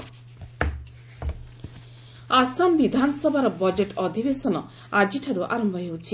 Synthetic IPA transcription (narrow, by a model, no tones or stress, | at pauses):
asambid̪ʱanɔsɔbʱaɾɔbɔd͡ʒeʈɔd̪ʱibesɔnɔ | ad͡ʒiʈʰaɾuʔa̰ɾɔmbʱɔɦewt͡ʃʰi